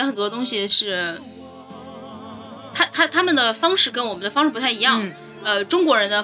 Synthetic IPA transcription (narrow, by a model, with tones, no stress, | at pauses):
xə˨˩nt̪wɔ˥ə˧t̪ʊ˥ŋɕi˨ʂɻ̩˥˩ | t̪ʰa˥t̪ʰa˥t̪ʰa˥mə˨nd̪ə˩fɑ˥ŋʂɻ̩˥˩kə˥nwɔ˨˩mə˦nd̪ə˧fɑ˥ŋʂɻ̩˥˩pt̪ʰa˥˩ɪi˧˥jɑ˥˩ŋ | ə˧ʈ͡ʂʊ˥ŋkwɔ˧˥ɻə˧˥nd̪ə˧